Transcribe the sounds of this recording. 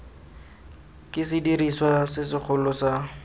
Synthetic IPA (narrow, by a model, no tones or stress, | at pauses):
kɪsɪdiriswasɪsɪk͡xʰʊlʊsa